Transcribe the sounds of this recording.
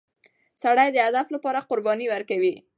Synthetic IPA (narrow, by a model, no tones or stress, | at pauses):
saɽajd̪əad̪aflapɑɾaqʊɾbɑniwaɾkawi